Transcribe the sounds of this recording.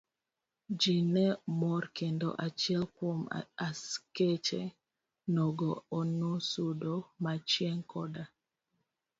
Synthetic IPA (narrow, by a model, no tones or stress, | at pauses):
d͡ʒinɛmɔrkendɔ̰ʔat͡ʃiɛlkwomasket͡ʃɛ | nɔɡɔːnosudomat͡ʃjɛŋkɔda